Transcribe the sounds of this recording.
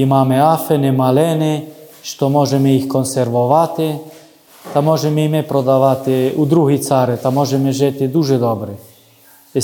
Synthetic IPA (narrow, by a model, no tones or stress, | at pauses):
imaːmɛafɛnɛmalɛnɛ | ʃt̪ɔmɔʒɛmɛixkɔnsɛɾʋɔʋat̪ɪ | t̪amɔʒɛmɛimɛpɾod̪aʋat̪ɪud̪ɾuɦit̪t͡saɾɛt̪amɔʒɛmɛʒɛt̪ɪd̪uʒɛd̪ɔbɾɛ